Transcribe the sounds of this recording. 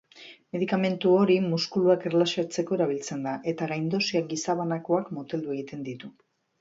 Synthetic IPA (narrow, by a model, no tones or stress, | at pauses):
me̞ðikame̞nt̪uo̞ɾimuskuluakerlasiat͡se̞ko̞e̞ɾaβilt͡se̞nd̪aʔe̞t̪aɣajnd̪o̞siaɡisaβanakoakmot̪e̞ld̪ueɣit̪e̞nd̪it̪u